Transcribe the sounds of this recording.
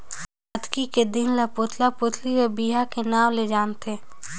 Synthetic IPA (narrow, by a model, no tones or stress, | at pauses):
ɐd̪kiked̪ɪnlapoːt̪ʰlapʊːt̪ʰliwebiːɦakenaːmled͡ʒaːnt̪ʰeː